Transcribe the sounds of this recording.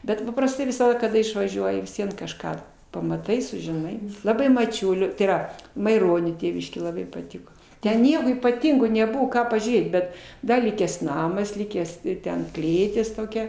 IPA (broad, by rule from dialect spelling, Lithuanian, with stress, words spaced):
ˈbʲɛt pɐprɐsˈtɐɪ ʋʲɪsɐˈdɐ kɐˈdɐ ɪʃʋɐˈʒʲuɔjɪ ʋʲɪs ˈʋʲiɛn kɐʃˈkɑː pɐmɐˈtɐɪ sʊʒʲɪˈnɐɪ lˠɐˈbɐɪ mɐˈt͡ʃʲʊlʲoː tɐɪ iːˈrɐ mɐɪˈroːnʲoː ˈtʲeːʋʲɪʃʲkʲeː lˠɐˈbɐɪ pɐˈtʲɪkoː ˈtʲɛn ˈnʲiɛkoː iːpɐˈtʲɪŋɡoː nʲɛˈbʊʋoː ˈkɑː pɐʒʲuːˈrʲeːt ˈbʲɛt ˈdɐ ˈlʲɪkʲæːs ˈnɑːmɐs ˈlʲɪkʲæːs ˈtʲɛn ˈklʲeːtʲɪs toːˈkʲɛ